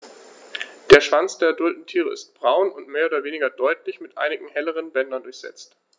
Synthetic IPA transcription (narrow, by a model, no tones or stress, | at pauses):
d̥eːɐʃv̥ant͡sd̥eːɐɛɐdʊltn̩tʰiːʁ̞ə̰ɪ̰st̚b̥ʁaʊnʊntmeːɐoːdɐveːnɪɡɐdɔʏtlɪçmɪtʔa̰ɪnɪɡŋ̩hɛləʁ̞ənbɛndɐndʊɐçz̥ɛ̰t͡st